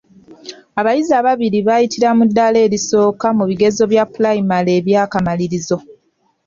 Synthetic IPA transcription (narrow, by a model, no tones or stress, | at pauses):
aβajiziaβaβiɾiβajitiɾamudːale̞ːliso̞ːkamuβiɡe̞zo̞βjapulajimale̞ːβjaːkamaliɾizo̞